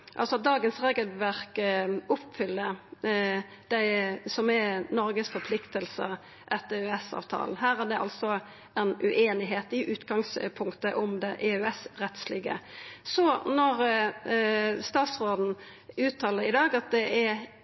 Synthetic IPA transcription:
ʔɑ̰lsɔɑt̪̚d̪ɑːɡənsʁeːɡəlʋæʁkʊpːfʏlːə | d̪̥æɪsɔmɛnɔɾɡəsfɔɾpʰlɪkt̪əlsə̰ | ʔɛt̪ːœɛsɑ̰ːʋt̪ʰɑ̰ːln̩ɦæːʁæd̪ɛʔɑ̰lsɔ | ɛnʉ̰ʔeːnɪɦeːt̪ɪʔʉːt̪ɡɑŋspʰʊŋkt̪əʔɔmd̪ɛʔeœɛsɾɛt̪slɪɡə̰sɔnɔʁ | st̪ɑːt̪sʁoːd̪n̩ | ʉːt̪ʰɑːləɾɪd̪ɑːɡɑt̪̚d̪ɛʔæ

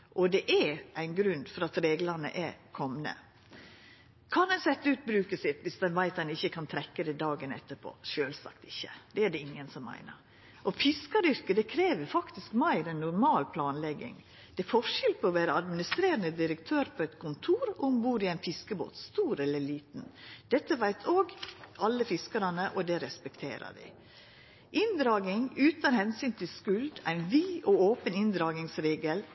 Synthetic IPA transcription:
ʔɔd̪ɛʔæʔæɪnɡɾʉnd̪fɔɾɑt̪ɾeːɡlɑɾnə̰ʔɛɾkʰɔmnə̰ | kʰɑnd̪ɛnsɛt̪ːəʉːt̪̚bɾʉːkəsɪt̪ʋɪsd̪ɛnʋæɪt̪ɛnɪçːəkʰɑnt̪ʰɾɛkːəd̪ɛd̪ɑːɡənɛ̰t̪ːəɾpʰo̰ːʃøːlsɑ̰kt̪ɪçːəd̪ɛæɖɛɪŋːənsɔmːæ̰ɪnə̰ɾ | ʔɔfɪskɑɾʏɾkəd̪ɛkʰɾeːʋəɾfɑkt̪ɪskmæɪɾɛnːʊɾmɑːlpʰlɑːnlɛɡɪ̰ŋ | d̪̥ɛfɔʂɪlpʰɔɔʋæːɾəɑd̪mɪnɪst̪ɾeːɾənəd̪ɪɾəkt̪ʰøːɾpʰɔɛt̪kʰʊnt̪ʰuːɾʊmbuːɾɪæɪnfɪskəbo̰ːt̪st̪uːɾɛlːəɭiːt̪n̩d̪̥ɛt̪ːəʋæɪt̪ʰoːɡɑlːəfɪskɑɾɑnəʔɔd̪ɛɾɛspɛkt̪ʰḛːɾə̰d̪ɪ̰ | ʔɪnd̪ɾɑːɡɪŋʉːt̪ɑnhɛnsyːnt̪ʰɪlskʉld̪æ̰ɪnʋiːʔooːpənɪnd̪ɾɑːɡɪŋsɾeːɡəl

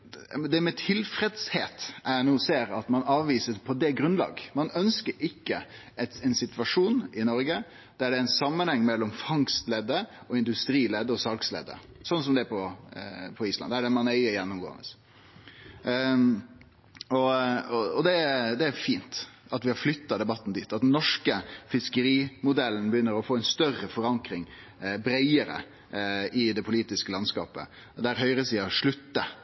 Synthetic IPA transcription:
d̪ɛmɛt̪ʰɪlfɾɛd̪sheːt̪ʔænuːseːɾɑt̪mɑnɑːʋʋiːsəɾpʰɔd̪ɛɡɾʉnlɑ̰ːɡmɑnœnskəɾʔɪkːə | ɛt̪ɛnsɪt̪ʋɑʂuːnɪnɔɾɡə | d̪̥æɖɛæɪnsɑmːənhɛŋːmɛlːɔmfɑŋst̪lɛd̪ːə | ɔɪnd̪ʉst̪ɾiːlɛd̪ːəɔsɑlkslɛ̰ːd̪ə̰ | sɔnsɔmd̪ɛæɾpɔ | pʰɔiːslɑ̰nd̪æɖɛmɑnɛɪəɾjɛnːʊmɡo̰ːə̰nə̰s | ɔɔɔd̪ɛæd̪ɛæɾfiːnt̪ɑt̪ʋɪhɑɾflʏt̪ːɑd̪ɛbɑt̪ːn̩d̪iːt̪ːɑt̪d̪nnːɔʂkəfɪskəɾiːmʊd̪ɛlən̩bəjʏnːəɾɔfoːɛɪnst̪œrəfɔɾɑŋkɾɪŋ | bɾæɪəɾə̰ | ɪd̪ɛpʰʊliːt̪ɪskəlɑnskɑ̰ːpə̰ | d̪æɾɦœʏɾəsiːɑʂɭʉt̪ːə

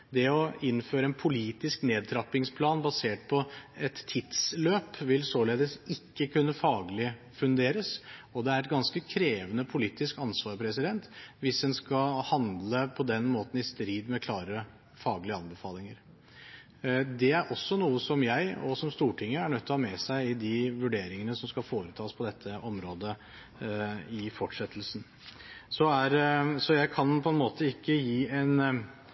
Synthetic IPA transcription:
d̪ɛɔɪnːføːɾəɛnpʰʊliːt̪ɪskneːd̪̚t̪ʰɾɑpːɪŋspʰlɑːnbɑseːʈpʰɔɛt̪ʰːɪt̪sløːpʋɪlsoːleːd̪əsɪkːəkʉnːəfɑːɡlɪ | fʉnd̪eːɾəsɔd̪ɛæɾɛt̪̚ɡɑnskəkʰɾeːʋənəpʰʊliːt̪ɪskɑnsʋɑːɾpʰɾɛsɪd̪ɛnt̪ʋɪsd̪ɛnskɑhɑnd̪ləpʰɔd̪ɛnmoːt̪n̩ɪst̪ɾiːd̪mɛkʰlɑːɾə | fɑːɡlɪəɑnbəfɑːlɪŋəɾ | d̪ɛæɾʔɔsːɔnuːəsɔmjæɪɔsɔmst̪uːʈʰɪŋːəæɳœt̪ʰːɔhɑmɛsæɪɪd̪ɪʋʉɖeːɾɪŋənəsɔmskɑfoːɾət̪ʰɑːspʰɔd̪ɛt̪ʰːəʔɔmɾoːd̪ə | ɪfɔʈʂɛt̪ʰːəl̩sn̩ | sɔæɾsɔjæɪkʰɑnpʰɔɛnmoːt̪ʰəɪkːəjiːɛn

